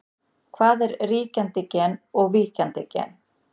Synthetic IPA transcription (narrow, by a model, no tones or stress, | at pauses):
kʰvaːðɛɾriːcant̪ɪcɛːnɔɣviːcant̪ɪcɛ̰n